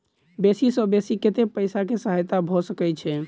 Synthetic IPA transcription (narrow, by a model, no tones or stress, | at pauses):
besisəbesiket̪epəjsakesəɦajt̪abʱosəkɛt͡ʃʰɛ